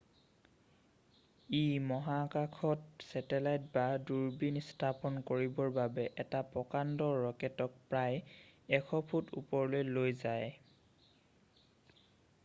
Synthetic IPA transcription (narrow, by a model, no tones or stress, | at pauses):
imɔɦakakʰɔtsɛtɛlajtbaduɹbinstʰapɔnkoɹibɔɹbabɛʔɛtapɔkandɔːɔkɛtɔk̚pɹajɛkʰɔpʰutṵpɔɹlojlojzaj